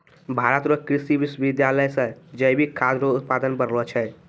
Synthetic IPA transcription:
bʱaːɾət̪ɾəkɾɪsiʋɪsʋɪd̪jaːləjsəd͡ʒəibʱikʰaːd̪ɾoʊt̪̚paːd̪ənbəɾlət͡ʃʰɛ

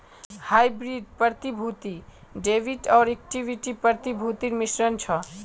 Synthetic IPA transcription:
hajbɾiɖ̚pʌɾt̪ibʱut̪i | ɖebʱiʈʌɾek̚ʈibʱiʈipʌɾt̪ibʱut̪iɾmisɾʌnt͡sʰʌ

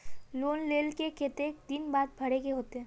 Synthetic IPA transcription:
loːnleːlkekʰet̪ekd̪ɪnbaːd̪̚bʱɐɽeɡeɦoːt̪eɦɛ̃ː

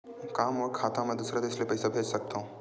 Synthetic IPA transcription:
kaːmɔːɾkʰaːt̪amɛ̃d̪uːsɾad̪eɪslepɛːsabʱeːd͡ʒsɐk̚t̪aɦũ

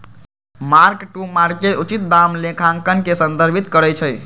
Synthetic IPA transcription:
maɾkʈumaɾkːeut͡ʃit̪̚d̪amlekʰãŋkənkesənd̪əɾbʱit̪kəɾət͡ʃʰəj

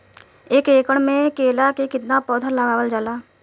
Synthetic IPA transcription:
eːkeːkəɽ̃mẽkeːlakekɪt̪napɔːd̪ʱʰəɾləɡaːʋəld͡ʒəlaː

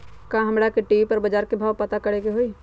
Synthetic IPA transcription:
kãɦɐmɾakeʈiːʋipəɾbəd͡ʒaːɾkebʱaːʋpət̪akɐɽekeɦoi

